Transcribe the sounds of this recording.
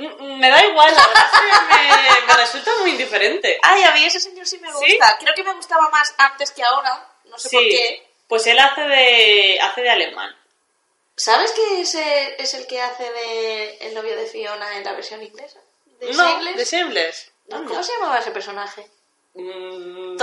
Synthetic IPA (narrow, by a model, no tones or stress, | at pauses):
me̞ðaiɣwalβeɾaememeresult̪amujind̪ife̞ɾe̞nt̪e̞ajamie̞seseɲo̞ɾsimeɣ̞uist̪akɾe̞oke̞meɣ̞ust̪aβamasant̪e̞skeaoɾa | nosesoie | pwe̞se̞laθe̞ðea̰θe̞ðeale̞ma̰n | saβe̞skeeseese̞lkeaθe̞ðeḛlno̞β̞joðefio̞naenla̰βe̞ɾsjo̞nĩŋɡle̞sa | d̪enoemled̪esemlesnokomoseʝamaβaese̞peɾso̞naxe